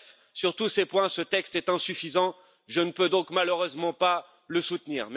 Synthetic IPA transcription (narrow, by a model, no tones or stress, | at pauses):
f | syʁt̪usepwɛ̃sət̪ɛkst̪ɛt̪ɛ̃syfizɑ̃ | ʒənəpød̪ɔ̃kmaløʁøzmɑ̃pa | ləsut̪niːʁm